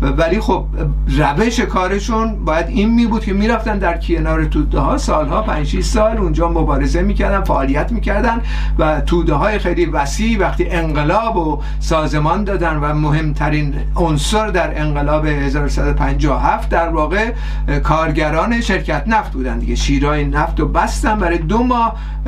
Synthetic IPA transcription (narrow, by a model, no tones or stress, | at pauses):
vælixob̥̚ | ræve̞ʃe̞kʰɒːɾe̞ʃunbɒːjæd̪inmiːbuːd̪̥̚kʲʰe̞miːɾæft̪ænd̪æɾkʰienɒːɾet̪ʰuːd̪ehɒːsɒːlhɒːpʰænd͡ʒʃiʃsɒːlund͡ʒɒːmobɒːɾe̞zemiːcʰæɾd̪ænfæʔɒːlijæt̪miːcʰæɾd̪ænd̪ | væt̪ʰuːd̪eɦɒːjexejlivæsiːʔvæxt̪iːʔe̞ŋɢe̞lɒːbo | sɒːze̞mɒːnd̪ɒːd̪ænvæmoɦe̞mt̪ʰæɾiːn | onsoɾd̪æɾe̞ŋɢe̞lɒːbe̞he̞zɒːɾosæd̪opʰænd͡ʒɒːoɦæft̪̚d̪æɾvɒːɣe̞ | kʰɒːɾɟæɾɒːneʃe̞ɾkʰæt̪næft̪̚buːd̪ænd̪iɡeʃiːɾɒːjenæft̪obæst̪ænd̪bæɾɒjed̪omɒːh